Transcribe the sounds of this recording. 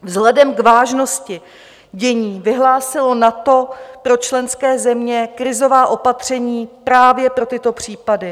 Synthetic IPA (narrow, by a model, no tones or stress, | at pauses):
vzɦlɛdɛmkvaːʒno̞scɪ | ɟɛɲiːvɪɦlaːsɪlo̞nat̪o̞pɾo̞t͡ʃlɛnskɛːzɛmɲɛkɾɪzo̞vaːʔo̞pat̪r̝̥ɛɲiːpɾaːvjɛpɾo̞t̪ɪt̪o̞pr̝̥iːpadɪ